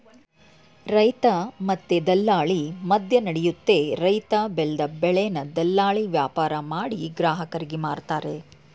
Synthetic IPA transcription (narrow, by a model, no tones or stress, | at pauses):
ɾɐjt̪ɐmɐt̪ːed̪ɐlːaːɭimɐd̪ʱjɐnɐɽejut̪ːe̞ɾɐjt̪abeld̪ɐbɛɭɛjɐnɐd̪ɐlːaːɭiʋjaːpaːɾɐmaːɽiɡɾaːɦɐkɐɾiɡemaːɾt̪aːɾe̞